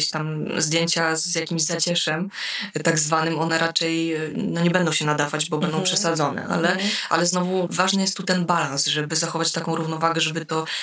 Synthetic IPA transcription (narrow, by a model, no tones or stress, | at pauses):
ɕt̪amzd̪jeɲt͡ɕazjakʲimʑzat͡ɕɛʂɛmt̪aɡzvanɘmɔnɛɾat͡ʂɛjnɔɲɛbɛnd̪ɔ̃w̃ɕɛnad̪avad͡ʑbɔbɛnd̪ɔ̃w̃pʂɛsad̪zɔnɛ̰ʔa̰lɛʔa̰lɛznɔvuvaʐnɘjɛst̪ːut̪ɛnbalãnsʐɛbɘzaxɔvat͡ɕt̪akɔ̃w̃ɾuvnɔvaɡɛʐɛbɘt̪ɔ